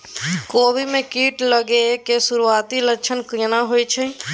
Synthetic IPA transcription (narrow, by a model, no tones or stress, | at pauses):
kobʱimekiʈləɡekesuɾuat̪iləkt͡ʃʰənkinaɦojt͡ʃʰə